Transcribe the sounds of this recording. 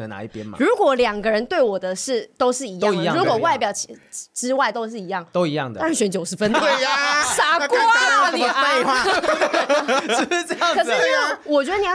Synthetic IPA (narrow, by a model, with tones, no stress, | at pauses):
ə˧˩na̰˧i˥˩pjɛ̰˦m˨ɻu˧˥kwɔ˨˩˦ljɑ˨˩ŋɡə˦ɻə˧˦nt̪we˥˩ɪwɔ˨˩d̪ə˦ʂɻ̩˥˩t̪o˥ʊʂɻ̩˥˩i˧˥jɑ˥˧i˧˦˥ɻu˧˥kwɔ˨˩wa˥˩ɪpjɑ˥˩ʊt͡ɕʰi˨ʈ͡ʂɻ̩˥wa˥˩ɪt̪o˥ʊʂɻ̩˥˩i˧˥jɑ˥˩ŋt̪o˦ʊi˧˦jɑ̰˥˨ŋd̪ə˨a˥˧˩ɕɥɛ˧˥nt͡ɕjo˨ʊʂɻ̩˧˦fə˦nt̪we˥˩sa˥kwɔ˥˦˨e˥˧ɪxwa˥˩˧ | ʈ͡ʂkɤ˨˩ʂ̩˥˩ni˨˩˥wɔ˨˩t͡ɕɥɛ˧˥d̪ə˨˩ni˨˧˥